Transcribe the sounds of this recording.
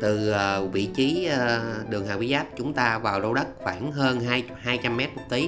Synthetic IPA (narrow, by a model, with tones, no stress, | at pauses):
t̪ɨ˨˩əː˨˩vḭ˧˨t͡ɕiː˨˦˨ɗɨ˨˩əŋhaː˨˩wi˨˦˥zaː˦˥p̚t͡ɕʊ˨˦ŋ͡mt̪aː˧vaː˨˩wzo˧wɗə˦˥t̚xwaː˧˩nɦəː˧nɦaː˧j | haː˧jt͡ɕa˧mːɛ˦˥t̚m˨˩t̚t̪i˨˦